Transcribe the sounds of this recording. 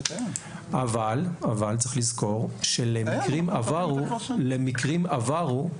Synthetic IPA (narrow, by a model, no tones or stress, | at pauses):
avalavalt͡sʁiχlizko̞ʁʃelemikʁimavaʁulemikʁimavaʁu